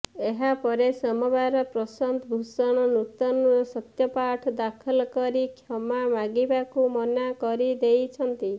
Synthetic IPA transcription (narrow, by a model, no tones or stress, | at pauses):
eɦapɔɾesɔmɔbaɾɔpɾɔsɔnd̪ɔbʱusɔɽ̃ɔnut̪ɔnɔsɔt̪jɔpaʈʰɔd̪akʰɔlkɔɾikʰjɔmamaɡibakumɔnakɔɾid̪ejt͡ʃʰɔnt̪i